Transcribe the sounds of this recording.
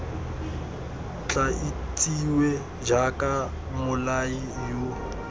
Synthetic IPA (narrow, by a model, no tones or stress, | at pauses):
t͡ɬʼait͡sʼiwe | d͡ʒakʼa | mʊlaijo